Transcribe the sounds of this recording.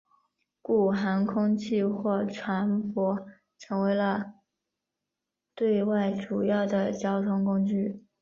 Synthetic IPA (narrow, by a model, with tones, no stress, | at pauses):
ku˥˩xa˧˥nkʰʊ˥ŋt͡ɕʰi˥˧xwɔ˥˩ʈ͡ʂʰwa˧˥npwɔ˧˥ | ʈ͡ʂʰɤ˧˥ŋwe˧˥ɪlə˧ | t̪we˥˧ɪwa˥˩ɪʈ͡ʂu˨˩jɑ˥˩ʊd̪ə˩t͡ɕjɑ˥ʊt̪ʰʊ˧˥ŋkʊ˥ŋt͡ɕy˥˩